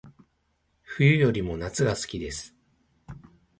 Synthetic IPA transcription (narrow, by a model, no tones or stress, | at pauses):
ɸɯ̟jɯ̟jo̞ɾʲimo̞nat͡sɨɡasɨ̥kʲid̪e̞sɨ̥